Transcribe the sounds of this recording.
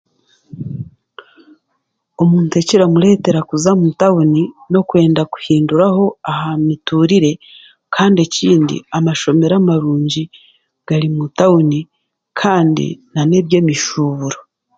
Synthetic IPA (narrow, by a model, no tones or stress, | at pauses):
omuːnte̞ciɾamuɾe̞ːte̞ɾakuzamutaunino̞kwe̞ːndaku̥hiːnduɾaho̞ahamituɾiɾe̞ | kʰaːndeciːndḭamaʃo̞me̞ɾamaɾuːɲɟi | ɡ̥aɾimutauni | kʰaːndḭnane̞βje̞ːmiʃuβuɾo